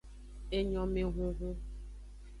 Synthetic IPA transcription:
e˦ɲɔ̃˨mẽ˦ɣu˦ɣu˦

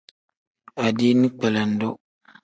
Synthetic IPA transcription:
a˨di˦nĩ˦k͡pɛ˨la˨n̩˨˦dɔ˦

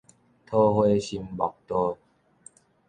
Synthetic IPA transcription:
t̪ʰo˦hwe˦ɕi˧mbɔ̰˨˩k̚t̪ɔ˧

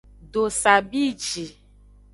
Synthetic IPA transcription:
ɖo˨sa˨bi˦˨t͡ʃi˨

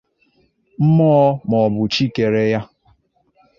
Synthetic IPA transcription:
m̩˦mɔ˦mɔ˨bʊ˨t͡ʃi˦ke˨ɾe˦ja˦

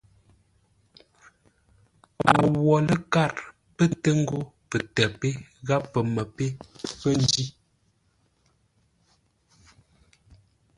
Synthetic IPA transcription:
wɔ˨wɔ˨lə˦ka˦˨ɾ | pə˦tə˦ŋ̩˦ɡo˦pə˨tɛ˨pe˦ɣa˦pːə˨mə˨pe˦pə˦n˦d͡ʒi˦

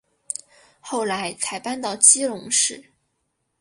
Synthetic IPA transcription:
xo˥˩ʊla˧˥ɪt͡sʰa˧˥ɪpa˥˧nt̪ɑ˥˩ʊt͡ɕi˥lʊ˧˥ŋʂɻ̩˥˩

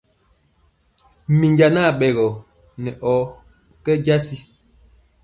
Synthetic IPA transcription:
mi˨ɲd͡ʒa˨na˦˨ɓɛ˨ɣɔ˨ | nɛ˨ʔɔ˨˦ | kɛ˦d͡ʒa˦si˦

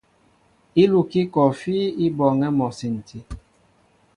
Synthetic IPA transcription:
i˦lu˨ki˦kɔ˨fi˦i˦bɔ˨ŋɛ˦mɔ˨si˨n̩˨tʰi˦

